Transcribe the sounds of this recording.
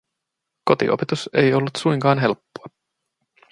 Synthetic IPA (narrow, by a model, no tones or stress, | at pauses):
ko̞t̪ḭʔo̰pet̪use̞jo̞lːut̪sujŋkɑːnɦe̞lpːoɑ